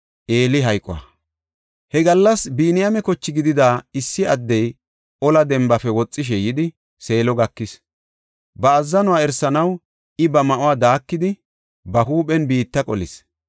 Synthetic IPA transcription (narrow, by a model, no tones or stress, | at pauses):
ʔeːlɪɦɐjkʼɔ̰a̰ | hɛɡɐlːɐsbiːnɪjamɛkɔt͡ʃːɪɡɪd̪ɪd̪aːɪsːɪɐd̪ːɛj | ʔɔlɐd̪ɛmbɐfɛwɔt͡sʼːɪʃ̬ɛjɪd̪ɪ | se̞ːlɔɡɐkːɪs | bɐːzːɐnʊwaːɛɾsɐnɐw | ɪbɐmɐʔʊwaːd̪aːkːɪd̪ɪ | bɐɦuːpʼɛnbiːt̪ːɐkʼɔ̰lɪs